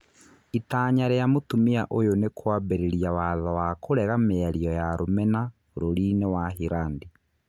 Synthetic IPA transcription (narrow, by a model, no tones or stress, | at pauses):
itaːɲaɾejamotumiaʔojonekʰwabeɾeɾjawaðawakʰoɾɛɣameaɾiɔjaɾomɛna | oɾoɾinewaɦiɾaːndi